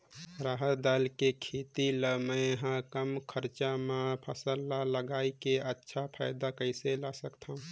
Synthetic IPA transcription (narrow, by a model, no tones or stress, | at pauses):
ɾaːɦət̪d̪aːlkekʰeːt̪iləməjɦãkəmkʰəɾt͡ʃamẽpʰəsəlːaləɡaːikeətːʃʰapʰa̰ːɪd̪akəɪselasəkt̪ʰaũ